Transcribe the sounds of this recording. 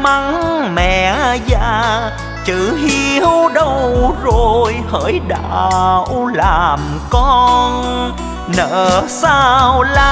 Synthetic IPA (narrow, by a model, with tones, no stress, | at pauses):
ma˧ŋmɛ̰˧˨zaː˧ | t͡ɕɨ˧˨˩ɦi˧əwɗə˧wzo˨˩jhəː˧˩jɗa̰ː˧˨wlaː˨˩m | kɔ˧n | nə̰ː˧˨saː˧wla˧